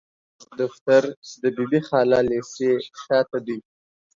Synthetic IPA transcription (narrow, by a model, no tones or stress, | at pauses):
d̪ʊxt̪aɾd̪əbibixɑlɑleseʃɑːt̪ad̪uj